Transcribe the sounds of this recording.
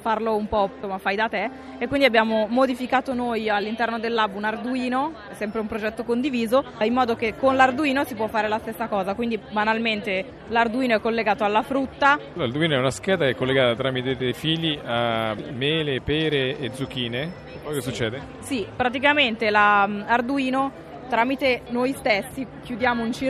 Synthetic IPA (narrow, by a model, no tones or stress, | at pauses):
farloumpɔsomːafajd̪at̪eː | kːwind̪iabːjaːmomod̪ifikaːt̪onojalːint̪ɛrnod̪elːabunard̪uiːno | ɛsɛmpɾeumpɾod͡ʒɛt̪ːokond̪iviːzoimːɔːd̪okekːonlard̪uiːnosip̬wɔfːaːɾelast̪esːakɔːzakwind̪ibanalment̪e | lard̪uiːnoɛkːolːeɡaːt̪oalːafɾut̪ːalard̪uiːnoɛunaskɛːd̪aɛkːolːeɡaːt̪at̪ɾaːmit̪ed̪ejfiʎiamɛːlepɛːɾeːd̪zuk̟iːne | ɛpɔjkesːut͡ʃːɛːd̪e | sipɾat̪ikament̪elamard̪uiːno | t̪ɾamit̪enojst̪esːik̟jud̪jaːmount͡ʃi